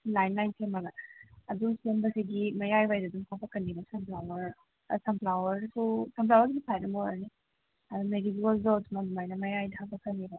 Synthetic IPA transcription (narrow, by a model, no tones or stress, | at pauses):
lajnːajnpʰemːɐɡɐːdusembɐsiɡimɐjajbajdɐduŋpʰapɐkɐnːibɐsɐmplawɐɾ | sɐmplawɐɾsusɐmplawɐɾɡibipʰajdɐmoɾni | ɐdumedizualzowtmɐdumajnɐmɐjajdɐhapɐkʰɐnːibɐ